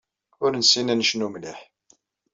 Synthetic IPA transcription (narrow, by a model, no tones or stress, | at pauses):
ʊɾnsinænʃnumliħ